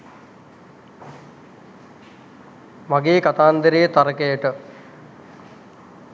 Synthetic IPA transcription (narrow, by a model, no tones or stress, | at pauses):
maɡeːkat̪aːnd̪əɾejət̪aɾəkejəʈə